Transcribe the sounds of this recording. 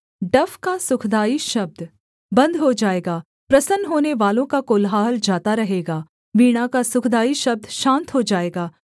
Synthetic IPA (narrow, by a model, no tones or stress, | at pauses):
ɖɐfʰkasʊkʰd̪aːiʃɐb̚d̪ | bɐ̃nd̪ɦod͡ʒaːeːɡaː | pɾɐsənɦoːneʋaːlõkakoːlɦaːld͡ʒaːt̪aɾɐɦeːɡaː | ʋiːɽ̃akasʊkʰd̪aːiʃɐb̚d̪ʃãːnt̪ɦod͡ʒaːeːɡaː